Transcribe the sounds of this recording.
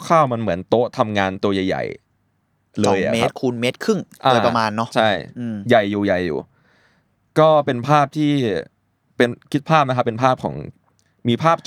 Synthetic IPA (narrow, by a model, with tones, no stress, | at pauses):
kʰaː˥˩wma˧nmɯ˩˦ənt̪o˦˥ʔt̪ʰa˧mŋaː˧nt̪u˧ɐja˨˩jːa̰˨˩j | lɤː˧jʔa̰˨˩me˦˧˥t̪̚kʰuː˧nmeː˦˥t̪̚kʰɯ˥˩ŋʔʔaː˧˩pa˧maː˧nːɔ˦˥ʔt͡ɕʰa˥˩jja˨˩jːuː˨˩ja˨˩jːṵː˨˩ | kɔː˥˩pe˧npʰaː˥˩p̚t̪ʰiː˥˩ | pe˧nkʰi˦˥t̪̚pʰaː˥˩p̚na˥kʰa˦˥pːe˧npʰaː˥˩p̚kʰɔ̰ː˩˦ŋ | miː˧pʰaː˥˩p̚t͡ɕ